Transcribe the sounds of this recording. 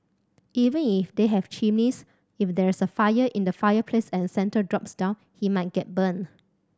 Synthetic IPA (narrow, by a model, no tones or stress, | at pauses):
ʔivə̃nifdeɦɛvt͡ʃĩmnis | ifdɛɹisəfajəʔĩndəfajəpʰlesɛ̃nsɛ̃ntədɹɔpsdãʊ̃n | himaɪt̚ɡ̥ɛt̚bə̃n